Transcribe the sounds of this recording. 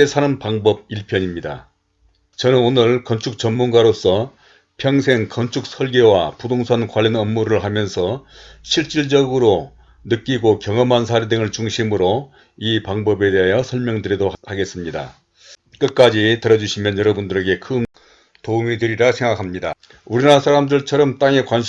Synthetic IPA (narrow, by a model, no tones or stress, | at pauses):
esʰaɾʌmpaŋbʌb̚iɭpʰjʌɲimɲida | t͡ɕʌnɯnonɯɭkʌnt͡ɕʰuk̚t͡ɕʌnmunɡaɾos͈ʰʌ | pʰjʌŋsʰe̞ŋkʌnt͡ɕʰuk̚sʰʌɭɡewapudoŋsʰankwaʎːʌnʌmːuɾɯɭɦamjʌnsʰʌɕʰiɭt͡ɕ͈iɭd͡ʑʌɡɯɾo | nɯk͈iɡokjʌŋʌmansʰaɾedɯŋɯɭt͡ɕuŋɕʰimɯɾo | ipaŋbʌbe̞de̞ɦajʌsʰʌɭmjʌŋdɯɾidohaɡe̞s͈ɯmɲida̰ | k͈ɯt̚k͈ad͡ʑitɯɾʌd͡ʑuɕʰimjʌnjʌɾʌbundɯɾe̞ɡe̞kʰɯn | toumitɯɾiɾasʰe̞ŋɡakʰamɲida | uɾinasʰaɾamdɯɭt͡ɕʰʌɾʌmt͈aŋe̞kwanɕʰ